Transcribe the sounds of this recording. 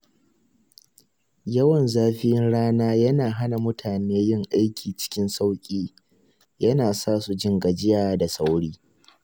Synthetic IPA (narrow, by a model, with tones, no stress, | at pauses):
jɐ˦wɐ˨nzaː˦ɸɪ˦jɪ˦nɽaː˦naː˦jɐ˦naː˨ɦa˦na˨mʊ˦tʰaː˨neː˦jɪ˦ŋʔa˦jkʲiː˨t͡ʃɪ̥˦kʲɪ˦nsa˦wkʲʼiː˦ | jɐ˦naː˨saː˦su˨d͡ʒɪ˦ŋɡa˨d͡ʒɪ˦jaː˨da˨sa˦wɽiː˦